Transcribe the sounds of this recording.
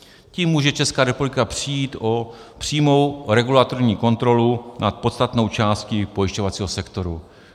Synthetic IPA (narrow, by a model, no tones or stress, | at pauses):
ciːmːuːʒɛt͡ʃɛskaːɾɛpublɪkapr̝̥ijiːt̪ʔopr̝̥iːmo̞wɾɛɡulat̪oɾɲiːko̞nt̪ɾo̞lunʔat̪̚po̞t̪st̪at̪no̞wt͡ʃaːst̪cɪpo̞jɪʃco̞vat͡siːɦo̞sɛkt̪o̞ɾu